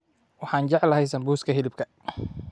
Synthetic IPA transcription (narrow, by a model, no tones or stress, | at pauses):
wɑħɑːnt͡ʃɛʕlɐɦɛjsɐmbuːskʰɐɦɪlɪbkʰɐ